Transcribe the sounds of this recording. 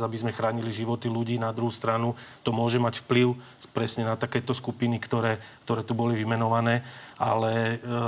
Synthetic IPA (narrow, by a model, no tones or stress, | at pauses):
zabizmɛxɾaːɲiliʒiʋɔt̪iluɟiːnad̪ɾuɦust̪ɾanut̪ɔmʊɔʒɛmacfpliʊ | pɾɛsɲɛnat̪akɛːt̪ɔskupinikt̪ɔɾɛːkt̪ɔɾɛːt̪ubɔliʋimɛnɔʋanɛːa̰lɛ